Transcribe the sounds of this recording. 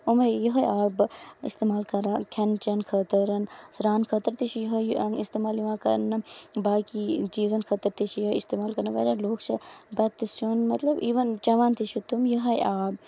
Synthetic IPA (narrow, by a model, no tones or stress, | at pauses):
omɐjuɦɐjaːbḭst̪emaːlkɐɾaːkʰɐnt͡ʃɐnkʰɐt̪ɐɾɐnsɾaːnkʰɐt̪əɾt̪it͡ʃʰijɦɐjɐist̪eːmaːljiʋãːkɐ̰nːɐbaːkit͡ʃiːzɐnkʰɐt̪ɐɾt̪it͡ʃʰijɐɦɐist̪eːmaːlkɐɾnɐʋɐ̰ɾʲaloːkt͡ʃʰɐbɐt̪ːisʰunmɐt̪lɐbiːʋɐnt͡ʃɐʋaːnt̪it͡ʃʰut̪umjɐɦɐjaːb̚